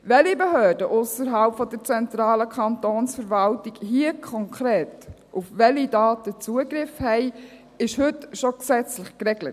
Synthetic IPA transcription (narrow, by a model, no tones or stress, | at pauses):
ʋɛlibeɦøːd̥əʔʊsəɾɦɑlpfɔd̥əɾt͡sɛnt̪ɾɑːləkʰɑntoːnsfəɾvɑltiɡhiːəkʰɔŋkʰɾeːt | ʔufʋɛlidɑːtət͡suəɡɾɪfhɛɪ | ɪʃhʏtʃɔksɛt͡slɪχkrɛɡlət